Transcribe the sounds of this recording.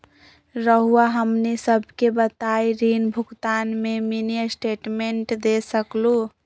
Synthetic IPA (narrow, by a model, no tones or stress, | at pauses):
ɾəɦuaɦəmnisəbʱkebət̪ajɾinbʱukt̪anmeminijəsʈeʈmeɳʈd̪esəklu